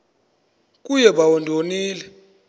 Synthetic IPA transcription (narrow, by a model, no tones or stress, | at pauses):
k̬ʼujɛɓawondʱoniːlɛ